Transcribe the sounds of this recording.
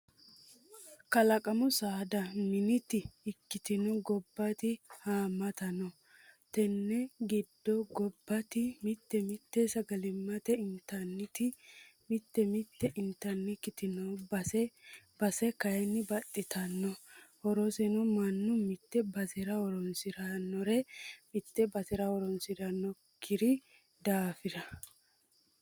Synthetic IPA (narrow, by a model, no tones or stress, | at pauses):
kɐlɐkʼɐmʊsaːd̪ɐmɪnɪt̪ɪːkːɪt̪ɪnɔɡɔbːɐt̪ɪhaːmɐt̪ɐnɔ | t̪ɛnːɛɡɪd̪ːɔɡɔbːɐt̪ɪmɪt̪ːɛmɪt̪ːeːsɐɡɐlɪmːɐt̪ɛɪnt̪ːɐnːɪt̪ɪ | mɪt̪ːɛmɪt̪ːɛʔɪnt̪ːɐnːɪkɪt̪ɪnɐwɐsɛbɐsɛkɐjɛnːɪbɐt̪ʼːɪt̪ʰɐnːɔwɔɾɔsɛnɔmɐnːʊmɪt̪ːɛbɐzɛɾɐwɔɾɔnsɪɾɐnːɔɾɛmɪt̪ːɛbɐzɛɾɐwɔɾɔnsɪɾɐnːɔ | kʰːɪɾɪ | d̪aːfɪd̪ɐ